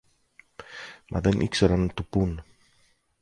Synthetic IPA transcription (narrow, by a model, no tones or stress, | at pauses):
mʔɐ̰ðenʔḭkseɾant̪upun